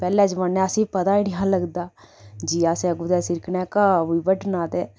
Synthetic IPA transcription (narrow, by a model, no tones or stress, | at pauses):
pɛːlɛːd͡ʒmənːɛ̃ːəsĩːpət̪aːiɽɪɦãːləɡd̪aː | d͡ʒiːaːsẽəɡud̪ɛːsɪɾknɛːkaibəɖnaːt̪eː